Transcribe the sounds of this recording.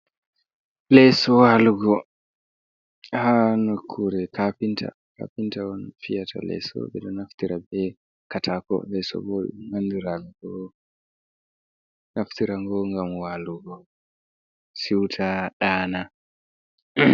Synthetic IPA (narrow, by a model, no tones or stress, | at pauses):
lɛsɔwaluɡɔ | hanokʰːuɾɛkapintʰa̰ | ka̰pintawɔnfijatʰa̰lɛ̰sɔ̰bɛ̰ɗɔnaftiɾabɛ | katʰakɔ̰lɛsɔ̰bɔɗuŋandiɾaɡɡɔ | nʔaftiɾaŋɡɔŋɡamwaluɡɔ | siwtʰaɗaːna